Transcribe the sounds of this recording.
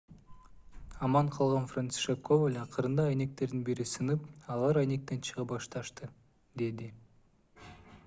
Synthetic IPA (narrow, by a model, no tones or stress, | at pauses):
ɑmɑɴqʰɑlˠʁɑnfrant̪si̥ʃekkːovelʲɑqəɾɯnd̪ɑːjne̞k̚t̪e̞ɾd̪inbiɾisɯnɯpɑlˠɑɾɑjne̞k̚t̪e̞nt͡ʃʰɯʁɑpbɑʃt̪ɑʃt̪ɯ | d̪e̞d̪i